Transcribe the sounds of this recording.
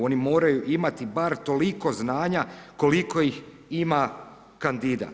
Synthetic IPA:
o̞nimo̞ːɾajuʔimat̪ibaɾt̪o̞liko̞znaːɲako̞liko̞jix | ima | kand̪id̪a̰

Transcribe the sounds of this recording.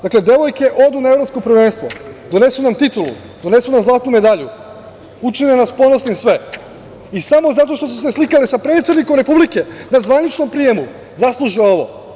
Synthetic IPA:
d̪akle̞d̪e̞ʋo̞jke̞ʔo̞d̪unaevɾopsko̞pɾ̩ʋeːnst̪ʋo̞̰d̪o̞ne̞sunamt̪it̪ulṵ | d̪o̞ne̞sunamzlˠaːt̪nume̞d̪aʎu | ut͡ʃinenaspo̞nosnimsʋe̞ | isamo̞zat̪o̞ʃt̪o̞s̬us̬e̞slˠikalisapɾe̞t̪sed̪nikomɾe̞publike̞nazʋanit͡ʃno̞mpɾije̞mu | zaslˠuʒiao̞ʋo̰

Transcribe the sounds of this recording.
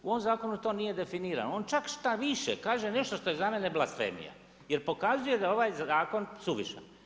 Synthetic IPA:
uo̞ʋomzaːko̞nut̪o̞nije̞d̪e̞finiːɾa̰nooːnt͡ʃakʃt̪aʋiʃḛkaːʒe̞ne̞ʃt̪o̞ʃt̪o̞je̞zame̞ne̞blˠasfḛmḭja̰ | je̞ɾpo̞kazuje̞d̪ao̞ʋaːjzaːko̞nsuʋiʃa̰n

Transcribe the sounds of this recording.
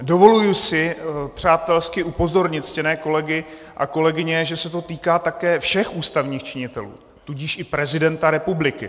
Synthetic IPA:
do̞vo̞lujusɪpr̝̥aːt̪ɛlskɪʔupo̞zo̞ɾɲɪt̪scɛnɛːko̞lɛɡɪ | ʔa̰ko̞lɛɡɪɲɛʒɛsɛt̪o̞t̪iːkaːt̪akɛːfʃɛxʔuːst̪avɲiːxt͡ʃɪɲɪt̪ɛlṵː | t̪uɟɪʃʔɪpɾɛzɪdɛnt̪aɾɛpublɪkɪ

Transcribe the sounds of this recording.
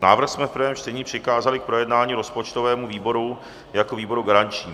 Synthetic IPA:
naːvr̩xsmɛfpɾ̩vɛːmt͡ʃt̪ɛɲiːpr̥ɪkaːzalɪk̚pɾo̞jɛdnaːɲiːɾo̞spot͡ʃt̪o̞vɛːmuviːbo̞ɾu | jakoviːbo̞ɾuɡaɾant͡ʃɲiː

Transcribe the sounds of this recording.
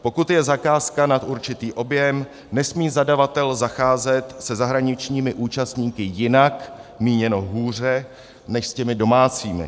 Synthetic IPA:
po̞kut̪jɛzakaːskanat̪uɾt͡ʃɪt̪iːʔo̞bjɛm | nɛsmiːzadavat̪ɛlzaxaːzɛt̪sɛzaɦɾaɲɪt͡ʃɲiːmɪʔuːt͡ʃast̪ɲiːkɪjɪnakmiːɲɛno̞ɦuːr̝ɛ | nɛʃscɛmɪdo̞maːt͡siːmɪ̰

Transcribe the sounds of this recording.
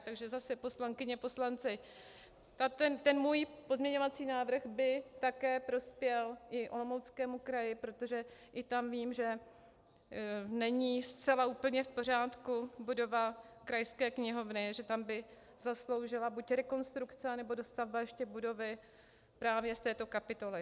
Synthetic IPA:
t̪aɡʒɛzasɛpo̞slaŋkɪɲɛpo̞slant͡sɪ | t̪at̪ɛnt̪ɛnmuːjpo̞zmɲɛɲo̞vat͡siːnaːvr̩ɣbɪt̪akɛːpɾo̞spjɛlʔɪʔo̰lomowt͡skɛːmukɾajɪpɾo̞t̪o̞ʒɛʔɪt̪amviːmʒɛ | nɛɲiːst͡sɛlauːpl̩ɲɛfpo̞r̝aːt̪kubudo̞va | kɾajskɛːkɲɪɦo̞vnɪʒɛt̪ambɪ | zaslo̞wʒɪlabucɾɛko̞nst̪ɾukt͡sɛanɛbo̞do̞st̪avbajɛʃcɛbudo̞vɪ | pɾaːvjɛst̪ɛːt̪o̞kapɪt̪o̞lɪ

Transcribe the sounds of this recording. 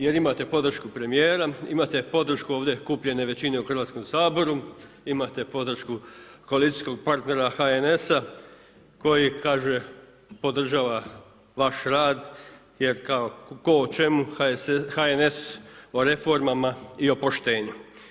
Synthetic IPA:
je̞ɾimat̪e̞po̞d̪r̩ʃkupɾe̞mijeːɾaḭmat̪e̞po̞d̪r̩ʃkuoʋd̪ʲe̞kupʎe̞ne̞ʋe̞t͡ɕine̞uxɾr̩ʋaːt̪sko̞msaːbo̞ɾu | imat̪e̞po̞d̪r̩ʃkuko̞alit̪ijsko̞ɡ̚paɾt̪ne̞ɾaxaene̞sa | ko̞jikaːʒe̞ | po̞d̪r̩ʒaːʋa | ʋaʃɾaːd̪ | je̞ɾkaokot͡ʃe̞muhaene̞so̞ɾe̞fo̞ɾmamaio̞po̞ʃt̪e̞ːɲu

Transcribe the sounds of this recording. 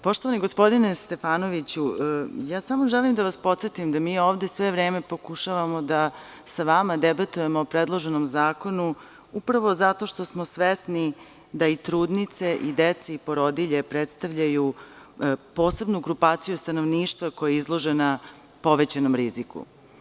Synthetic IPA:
po̞ʃt̪o̞ʋaniɡo̞spo̞d̪inest̪e̞faːno̞ʋit͡ɕujaːsamoʒelimd̪aʋaspo̞t̪set̪imd̪amiːo̞ːʋd̪e̞sʋe̞ʋɾeːme̞po̞kuʃaʋamo̞d̪a | saʋamad̪ebat̪uje̞moːpɾed̪lˠo̞ʒe̞nomzaːko̞nu | upɾaʋo̞zat̪o̞ʃt̪o̞smo̞sʋesni | d̪ait̪ɾuːd̪nit̪se̞ʔid̪et̪seipo̞ɾo̞d̪iʎepɾet̪st̪aʋʎaju | po̞ːse̞bnuɡɾupaːt̪sijust̪anoʋniːʃt̪ʋako̞jeizlˠo̞ʒena | po̞ʋet͡ɕanomɾizikṵ

